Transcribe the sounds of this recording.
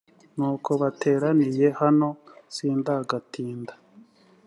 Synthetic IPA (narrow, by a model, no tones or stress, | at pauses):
nuːkʰo̞βatʰe̞ːɾanije̞hano̞siːndaɡatiːndḁ